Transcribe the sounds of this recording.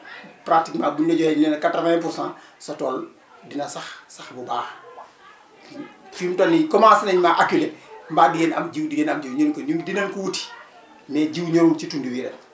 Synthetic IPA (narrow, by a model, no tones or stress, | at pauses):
pɾatikmaːbunːɐɟɔhɛɲnɛnkatɾfep̬ursãn | sɐtɔːl | dinɐsaxsaxbubaːx | fimtolːikɔmasineɲmaːʔakilembaːdiɡɛnamd͡ʒiwdiɡɛnamɟiwɲoːŋkoɲundinɐmkuwuti̥ | mɛːɟiwɲoːŋt͡ʃitundiwiɾɛ̰